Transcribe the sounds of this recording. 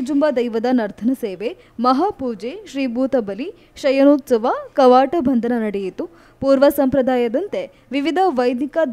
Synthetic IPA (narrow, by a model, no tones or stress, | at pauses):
d͡ʒumbɐd̪ɐjʋɐd̪ɐnɐɾt̪ʰɐnɐseːʋe | mɐɦapuːd͡ʒeʃɾiːbʱuːt̪ɐbɐli | ʃɐjɐnoːt̪sɐʋakɐʋaːʈɐbʱɐnd̪ʱɐnɐnɐɽejit̪u | puːɾʋɐsɐmpɾɐd̪ʱaːjɐd̪ɐnt̪e | ʋiʋid̪ʱɐʋɐjd̪ikɐd̪